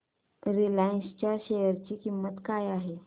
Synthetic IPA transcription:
ɾilainst͡ɕjaɕejəɾt͡ɕiːkimːət̪kajaɦe

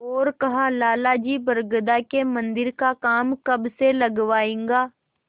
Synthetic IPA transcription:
ɔːɾkɐɦalaːlad͡ʒiːbɐɾɡd̪akemɐ̃nd̪ɪɾkakaːmkɐbselɐɡʋaːẽːŋɡaː

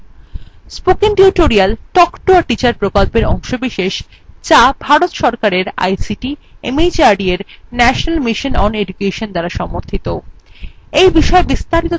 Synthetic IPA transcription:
spokiŋʈiuʈoɾialʈɔkʈoaʈit͡ɕaɾpɾokolpeɾɔ̰ŋʃobiʃeʃ | t͡ɕabʱaɾot̪ʃɔɾkaɾeɾa̰jsiʈiemid͡ʑaɾɖieɾnɛʃonalmiʃonɔned͡ʑukeʃond̪aɾaʃɔmoɾt̪ʰit̪o | ejbiʃɔebist̪aɾit̪o

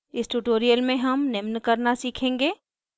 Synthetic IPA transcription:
ɪsʈuːʈoːɾijəlmẽɦɐmnɪmnkɐɾnasiːkʰẽːŋɡeː

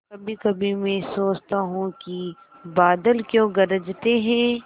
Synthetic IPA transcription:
kɐbʱikɐbʱimɛ̃ːsoːt͡ʃt̪aɦũki | baːd̪əlkjõːɡɐɾəd͡ʒt̪eɦɛ̃ː

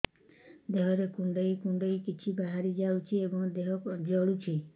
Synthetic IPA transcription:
d̪eɦɔɾekuɳɖɔjkuɳɖɔjkit͡ʃʰibaɦaɾid͡ʒawt͡ʃʰiebɔŋd̪eɦɔkd͡ʒɔɽut͡ʃʰi

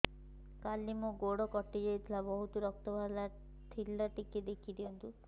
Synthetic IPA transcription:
kalːimoɡoɽɔkɔʈːid͡ʒajt̪ʰilabɔɦut̪uɾɔk̚t̪ɔbʱala | t̪ʰilːaʈiked̪ekʰid̪iɔnt̪u

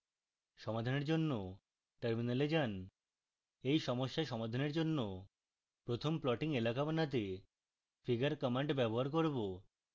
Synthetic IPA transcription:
ʃɔmad̪ʱaneɾd͡ʑonːo | ʈəɾminaled͡ʑan | ejʃɔmoʃːaʃɔmad̪ʱaneɾd͡ʑonːo | pɾot̪ʰomplɔʈiŋelakabanat̪̬e | fiɡaɾkɔmaɳʈbɛboɦaɾk̬oɾbo

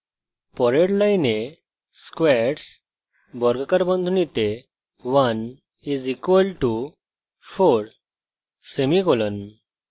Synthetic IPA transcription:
pɔɾeɽlãine | skʋɛɾʈs | bɔɾɡkəɾbə̃nd̪ʱunit̪e | ʋan | izikʋəlʈu | foɽ | semikolən

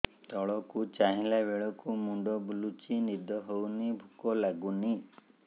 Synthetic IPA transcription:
t̪ɔɭɔkut͡ʃaɦĩlabeɭɔkumuɳɖɔbulut͡ʃinid̪ɔɦownibʱukɔlaɡuni

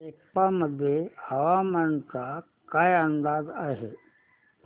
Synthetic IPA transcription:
ekpaməd̪ʱjehɐʋamənka | kajənd̪aːd̪aɦe

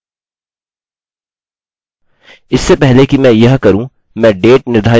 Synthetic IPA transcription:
ɪsːepɛɦlekimɛ̃jɐɦkɐɾũ | mɛ̃ːɖeːʈ̚nɪɾd̪ʱaː

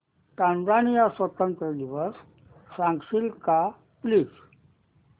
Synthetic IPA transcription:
ʈãnzanijasʋət̪ənt̪ɾəd̪iʋəɾ | fɾãŋksilka | plis

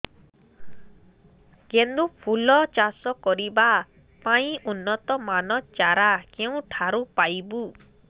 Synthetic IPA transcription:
ɡend̪upʰulɔt͡ʃasɔkɔɾiba | paĩunːɔt̪ɔmanɔt͡ʃaɾakeũʈʰaɾupajbu

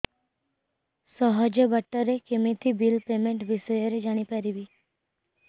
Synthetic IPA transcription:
sɔɦɔd͡ʒəbəʈːəɾekemit̪ʰibilpemẽɳʈʋisɔjɔɾed͡ʒaɽ̃ipaɾibi

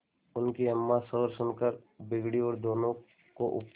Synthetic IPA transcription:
ʊnkiɐmːasɔːɾsʊnkəɾbɪɡɽiɔːɾd̪oːnõ | koʔʊ̰p

